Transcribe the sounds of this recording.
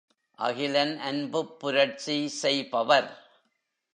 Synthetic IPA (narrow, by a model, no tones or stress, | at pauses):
ʔɐ̰ɣɪlɐnʔɐnbɯpːʊɾɐʈ̚t͡ʃisɛjpɐʋɐɾ